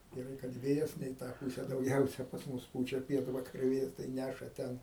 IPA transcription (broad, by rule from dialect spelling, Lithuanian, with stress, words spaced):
ɡʲɛˈrɐɪ kɐt ˈʋʲeːjɛs nʲɛ iː ˈtɑː puːsʲɛ dɐʊˈɡʲɛʊsʲɛ pɐs ˈmʊs ˈpuːt͡ʃʲɛ ˈpʲiɛtʋɐkɐrʲʊ ˈʋʲeːjɛs tɐɪ ˈnʲæʃɐ ˈtʲɛn